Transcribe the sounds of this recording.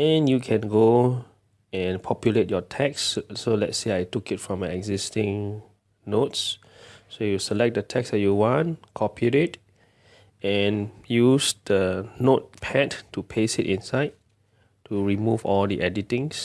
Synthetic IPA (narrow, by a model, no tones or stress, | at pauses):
ɛ̃njukʰɛ̃nɡo | ɛ̃npʰɔpjulet̚jɔtʰɛksːolɛ̰tseajtukɪtfɹɔ̃maɛɡzistɪ̃ŋ | nots | sojusəlɛk̚dətʰɛksdɛt̚juwɔ̃nkʰɔpʰiɹet | ɛ̃njusd̥ənot̚pʰɛttːupʰesitĩnsaɪd̚ | tːuɹimuvɔldiʔɛditĩŋs